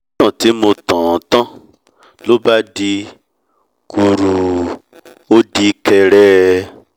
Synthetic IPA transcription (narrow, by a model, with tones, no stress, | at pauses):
ã˦˨ti˨˦mo˧tã˨˦tã˦ | lo˦ba˦di˧ | ku˧ɾu˨˧ | o˦di˧kɛ˧ɾɛ˦